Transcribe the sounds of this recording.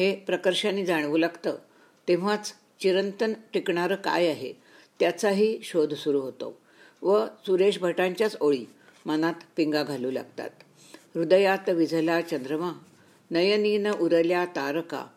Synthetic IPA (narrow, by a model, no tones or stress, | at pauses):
ɦepɾəkəɾɕanːiːd͡zaɽ̃ʋuːlaɡt̪ə | t̪ẽʋ̤at͡s | t͡ɕiɾənt̪ənʈikɳaɾəka̰jaɦḛ | t̪jat͡saɦiːɕod̪ʱsuɾuːɦot̪o̰ | ʋəsuɾeɕbʱəʈãɲt͡ɕjat͡soɭiː | mənat̪piŋɡaɡʱaluːla̰ɡ̚t̪a̰t̪ | ɾud̪əjat̪ʋid͡zʱəlat͡ɕənd̪ɾəma | nəjəninəʔuɾəljat̪aɾka̰